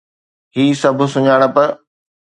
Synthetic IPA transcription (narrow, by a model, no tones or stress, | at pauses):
hiːsɐbʱʊ̆sʊɲaːɽ̃ə̆pɐɾ